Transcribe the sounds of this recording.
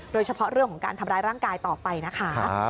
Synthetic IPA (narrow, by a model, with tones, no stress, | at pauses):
doː˧jt͡ɕʰa˧pʰɔ˦˥ɾɯ˥˩əŋʰkʰɔ˩˦ŋka̰ː˧t̪ʰmɾaː˧˥jɾaː˥˩ŋkaː˧jt̪ɔː˨˩pa˧jna˦˥kʰa˦˥